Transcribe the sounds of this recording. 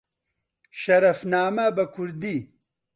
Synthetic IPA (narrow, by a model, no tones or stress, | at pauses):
ʃɐɾɐfnaːmabɐkʰuɾd̪i